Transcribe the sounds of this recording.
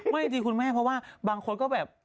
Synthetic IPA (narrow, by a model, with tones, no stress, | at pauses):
ma˥˩jdiː˧kʰu˧nmɛː˥˩pʰɾɔ˦˥waː˥˩baː˧ŋkʰo˧nkɔː˥˩bɛː˨˩p̚